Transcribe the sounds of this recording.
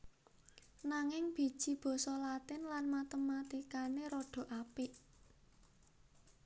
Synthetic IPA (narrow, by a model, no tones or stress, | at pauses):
naŋɪŋb̥i̤̥ʒ̥i̤b̥ɔ̤sɔlat̪ɪnlanmat̪əmːat̪ikaneɾoɖ̥o̤ʔapɪʔ